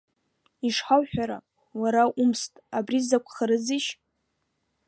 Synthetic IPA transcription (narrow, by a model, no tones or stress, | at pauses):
iʂħawħᶣaɾa̰ | waɾaʔumstʼabrizakʷʰʼχaɾɨziʃ